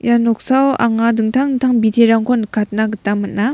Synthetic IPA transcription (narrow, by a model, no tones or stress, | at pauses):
janɔk̚sawa̰ŋadɯŋt̪ʰaŋt̪ʰaŋbit̪ʰeɾaŋkʰonɯkʰat̚naɡɯtamːɯna